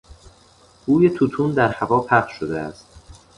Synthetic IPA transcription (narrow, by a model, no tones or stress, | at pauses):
ɡ̥uːjet̪ʰut̪ʰuːnd̪æɾhævɒːpʰæχʃʃod̪eæ̰st̪̚